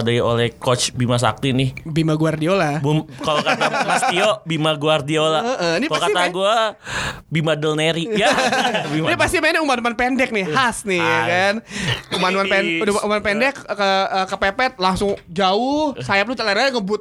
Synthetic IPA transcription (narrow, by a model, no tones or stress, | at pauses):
adaio̰lɛhkot͡ʃbimas̬a̰k̚t̪inɪhbimaɡuardiolabumkalokat̪tamasiobimaɡuardiolaəʔənipaokait̪aɡua | bimadəlneɾijabinipast̪imaniumanumanpendɛk̚nɪhasnɪkanumanumanɛnduaʔumanpɛndɛkːəəkəpepɛt̪̚laŋsʊŋd͡ʒaʊhsajap̚lut̪əlaɾaŋəbʊt̪̚